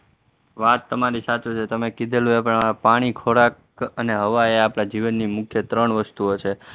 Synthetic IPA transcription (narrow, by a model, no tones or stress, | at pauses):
ʋat̪ːəmaɾisat͡ʃut͡ʃʰet̪əmekid̪ʱelũepəɳpaɽ̃ikʰoɽak | əneɦəʋaeapnad͡ʒiʋənːimʊkʰjət̪ɾəɳʋəst̪uot͡ʃʰe